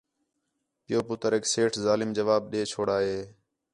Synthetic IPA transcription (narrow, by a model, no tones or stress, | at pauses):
pɪjoːpʊt̪əɾekseːʈʰzaːlɪmd͡ʒəʋaːbɗeːt͡ʃʰoːɽaːɦeː